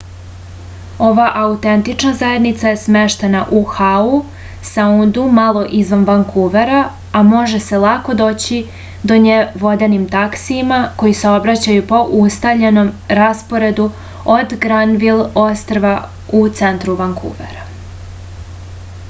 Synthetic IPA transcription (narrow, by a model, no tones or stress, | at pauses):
o̞ʋaʔaut̪e̞nt̪it͡ʃnazaje̞d̪nit̪saje̞sme̞ʃt̪e̞naʔuxau | saund̪umalˠo̞ʔizʋanʋaŋkʰuʋeɾa | amo̞ʒe̞se̞lˠako̞d̪o̞ːt͡ɕi | d̪o̞ɲeʋo̞d̪enimt̪aksiːmako̞jiseo̞bɾat͡ɕajupo̞ʔust̪avʎe̞no̞mɾaspo̞ɾe̞d̪u | od̪ɡɾanʋilˠo̞st̪ɾʋa | ut̪se̞nt̪ɾuʋaŋkʰṵʋeɾa